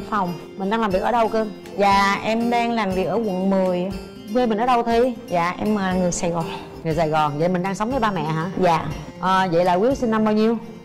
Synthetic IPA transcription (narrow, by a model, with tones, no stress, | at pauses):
fa˨˩wŋ͡m | mi̟˨˩ɗaː˧ŋlaː˨˩mvi˨˩k̚ʔəː˧˩ɗə˧wkɨ˧ə | za̰ː˧˨ʔɛ˧mɗaː˧ŋlaː˨˩mvi˨˩ək̚ʔəː˧˩kwə̰˧˨nmɨ˨˩əj | ŋwe˧jmï̟˨˩ʔːɗə˧wt̪ʰi˧za̰ː˧˨ʔɛ˧məː˨˩lŋɨ˨˩əjsaː˨˩jɣɔ˨˩n | ŋɨ˨˩əjsaː˨˩jɣɔ˨˩nzə̰˧˨jmï˨˩ŋ̟ɗaː˧ŋsə˨˦wŋ͡mvəː˨˦jɓaː˧mɛ̰˧˨ɦaː˧˥za̰ː˧˨ | ʔəː˨˩zə̰˧˨jla̰ː˧˨˩kwi˨˦˥əw̚si˧nːa˧mɓaː˧wɲi˧əw